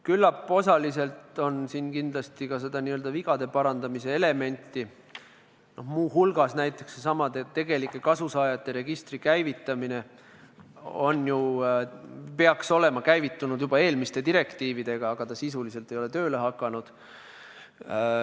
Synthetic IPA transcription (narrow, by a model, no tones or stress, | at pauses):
kylːɑpːˑo̞sɑlise̞lt̪o̞nsinkind̪̥lɑst̪ikɑse̞d̪̥ɑniøld̪ɑviɡɑd̪̥e̞pɑɾɑnd̪̥ɑmise̞ele̞me̞nʲt̪ːˑi | no̞hmuːɦulɡ̥ɑsnæjt̪ːˑe̞ksesɑmɑd̪et̪e̞ɡe̞likˑːe̞kɑsusɑːjɑt̪ːˑe̞ɾe̞ɡ̥ist̪rikæjvit̪ːˑɑmine̞ | o̞nju | pe̞ɑkso̞le̞mɑkæjvit̪ːunud̪̥jub̥ɑe̞ːlmist̪e̞t̪iɾe̞kt̪iːvid̪̥e̞ɡ̥ɑːɡ̥ɑt̪ɑsisulise̞lt̪ːˑe̞jo̞le̞t̪ø̞ːle̞ɦɑkːˑɑnud̪̥